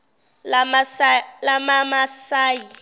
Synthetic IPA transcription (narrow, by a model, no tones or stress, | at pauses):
lamamasaːji